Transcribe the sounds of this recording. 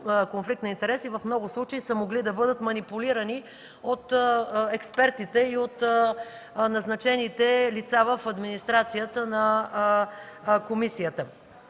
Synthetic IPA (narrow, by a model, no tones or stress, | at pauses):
konflik̚t̪nɐint̪ɛɾɛsivɐfmnɔɡʊslˠut͡ʃəisəmoɡlid̪ɐbɤd̪ət̪mɐnipuliɾəni | ot̪ɛkspɛɾt̪it̪ɛiot̪ | nɐznɐt͡ʃɛnit̪ɛlit̪savəfɐd̪minist̪ɾat̪sijət̪ənɐ | komisijət̪ə